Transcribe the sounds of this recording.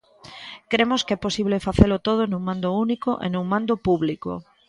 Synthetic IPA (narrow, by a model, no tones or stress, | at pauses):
kɾemoskɛposiβ̞lefaθelot̪oð̞onũŋmãnd̪ounikoʔḛnũŋmãnd̪opuβliko̰